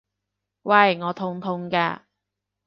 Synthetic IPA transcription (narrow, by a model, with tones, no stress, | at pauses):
wɐ˧˩jŋɔː˨˧t̪ʰʊ˧ŋt̪ʰʊ˧ŋka̰ː˧